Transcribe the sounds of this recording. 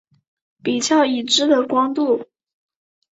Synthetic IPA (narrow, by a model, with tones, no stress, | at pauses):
pi˨˩t͡ɕjɑ˥˩ʊi˨˩ʈ͡ʂɻ̩˥d̪ə˨kwɑ˥ŋt̪u˥˩